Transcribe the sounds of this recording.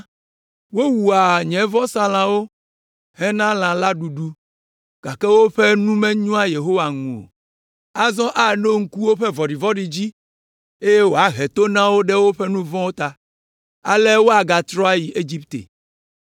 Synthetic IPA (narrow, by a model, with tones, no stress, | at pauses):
wo˦wu˨a˨ɲɛ̃˨vɔ̃˦sã˦lã˨wo˦ | hɛ˦nã˦lã˨la˦ɖu˨ɖu˦ | ɡ̥a˨kɛ˦wo˦ɸɛ˦nũ˦mɛ̃˦ɲũ˦a˦je˨ɦo˦wa˨ŋũ˨o̰˨ | a˦zɔ̃˦ʔa˦˨no˦ŋ̩˦ku˦wo˦ɸɛ˦vɔ˨ɖi˨vɔ̃˦ɖi˨d͡ʑi˦ | e˦je˦wo˨a˦ɦe˨t̪o˦nã˦wo˦ɖɛ˦wo˦ɸɛ˦nũ˦vɔ̃˦wo˦t̪a˨ | a̰˦le˦wo˦a˨ɡa˨t̪ɾɔ˦a˦ji˨ʔe˦d͡ʑi˦pt̪ḛ˨